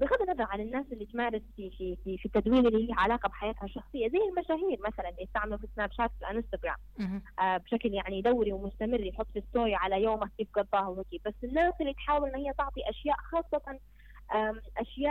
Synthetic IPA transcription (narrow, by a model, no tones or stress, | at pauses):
bɪɣɑd̪ːinɑðˤɑɾˤʕalanːaːsʔɪlːit̪maːɾɪsfifififit̪ːad̪wiːlɪlːihiːhʕalaːqabħajaːt̪haʃːɑxsˤɨjːazajːɪlmaʃaːɦiːɾmaθalanlijɪst̪aʕmalufisnaːbʃaːt̪flʔaʔɪnst̪aɡɾa̰ːmʔabʃakljaʕnid̪awːɾiwmʊst̪amɪrːijħʊt̪ˤːfist̪oːjʕalajoːmakːiːfɡɑd̪ˤːɑːhawhaːkibasːɪnːaːsʔɪlːit̪ħaːwɪlʔɪnːhɪjːat̪ɑʕt̪ˤiʔaʃjaːʔxɑːsˤːɑt̪ɑn | ʔaʔaʃjaːʔ